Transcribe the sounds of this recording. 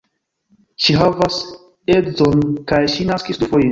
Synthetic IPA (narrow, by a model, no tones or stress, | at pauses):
ʃiɦavas | edzonkajʃinaskisdufo̞jin